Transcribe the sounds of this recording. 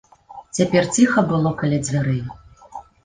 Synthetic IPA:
t͡sʲapʲɛrt͡sʲixɐbɨlˠɔkalʲɛd͡zʲvʲaɾɨ

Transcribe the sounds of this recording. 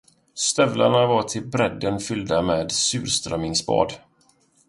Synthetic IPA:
st̪œvla̰ɳavaʈʰɪlbɾɛd̪ːənfʏld̪ameːd̪sʉ̟̰ːɾst̪ɾœmɪŋsbɑ̰ːd̪

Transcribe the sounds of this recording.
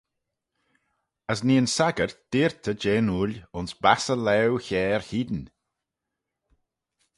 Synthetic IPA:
əs̬niːənsaɡəɹd̪̥iːɹt̪ʰəd͡ʒeːnulʲʊnsbasəlɛwçɛːɹhiːd̪ən

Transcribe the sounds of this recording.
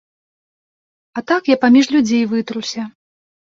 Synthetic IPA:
ɐt̪akjapamʲiʂlʲud͡zʲejvɨt̪ɾuwsʲɐ

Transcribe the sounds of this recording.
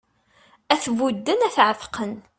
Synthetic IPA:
æθvud̪ːənæθʕəfqʰən

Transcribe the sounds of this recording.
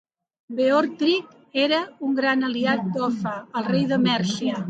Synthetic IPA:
beɔɾt̪ɾik | eɾəuŋɡɾanəliat̪̚d̪ɔfəəlˠrejðəmɛɾʃiə

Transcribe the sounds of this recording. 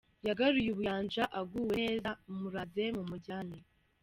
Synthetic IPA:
jaɡaɾujuβujaːɲd͡ʒaʔaɡuwezamuɾaze̞mumuɟaːni

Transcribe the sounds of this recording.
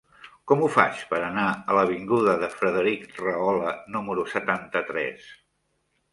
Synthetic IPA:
kɔmufa̰t͡ʃpəɾənaələβiŋɡuðəðəfɾəðəɾikrəɔlənuməɾusət̪ant̪ət̪ɾɛ̰s

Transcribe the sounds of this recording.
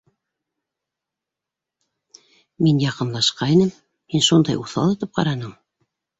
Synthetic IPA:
minjɑqɤ̆nlˠɑʃqɑinɘmː | inʃund̪ɑjuθɑ̰lˠɤ̆t̪ɤp̚qɑ̰ɾɑnɤm

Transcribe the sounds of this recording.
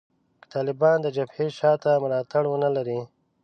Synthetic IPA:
kə̥t̪ɑːlɪbɑnd̪əd͡ʒabheʃɑːt̪amʊɾɑt̪aɽwənalaɾi

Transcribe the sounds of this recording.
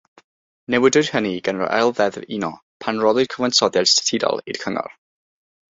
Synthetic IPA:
nɛwɪdɨd̥həniɡənrɔ̰ʔɛlˠvɛðinɔ | pʰanrɔlˠɨd̥kʰəvansɔdjadstʰə̥tʰidɔ̰lˠḭd̥kʰəŋɔ̰r

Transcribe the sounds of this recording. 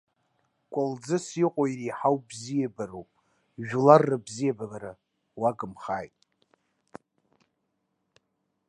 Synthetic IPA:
kʷʼald͡zɨsiqʷʼoiriːħawbzijabaɾowpʼ | ʒᶣularːɨbzijababaɾa | waɡɨmχa̰ːjtʼ

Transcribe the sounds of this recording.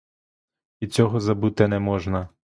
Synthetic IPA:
it͡sʲɔɦɔzɐbut̪ɪnɛmɔʒnɐ

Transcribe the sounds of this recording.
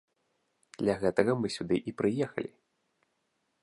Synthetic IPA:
d̪̥lʲɐɣɛt̪ɐɣɐmɨsʲud̪ɨʔipɾɨjɛxɐ̰lʲi

